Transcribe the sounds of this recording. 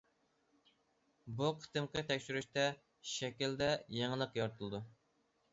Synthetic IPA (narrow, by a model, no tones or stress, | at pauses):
buqʰə̥t̪ɨmqʰət̪ʰɛkʲʃyɾyʃt̪ɛ | ʃɛkʲild̪ɛjeŋəlˠəqjɔɾt̪ʰulˠɨd̪u